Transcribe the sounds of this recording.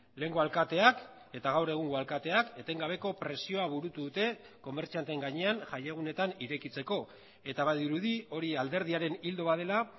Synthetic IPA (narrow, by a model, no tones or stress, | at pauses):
le̞ŋɡo̞alkat̪e̞ak | e̞t̪aɣawre̞ɣ̞uŋɡoalkat̪e̞ake̞t̪e̞ŋɡaβ̞e̞ko̞pɾe̞sio̞aβuɾut̪uðut̪e̞ | ko̞me̞ɾt͡siant̪eŋɡaɲe̞anʝajeɣ̞une̞t̪aniɾe̞kit͡se̞ko̞ | e̞t̪aβajðiɾuðio̞ɾiald̪e̞ɾð̞iaɾe̞nild̪o̞βaðe̞la